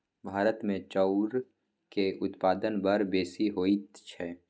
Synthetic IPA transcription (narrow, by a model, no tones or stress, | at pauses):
bʱaːɾət̪mẽt͡ʃɔʊɾ | keʔʊt̪paːd̪ənbəɾbeːsiɦoːit̪t͡ʃʰɛ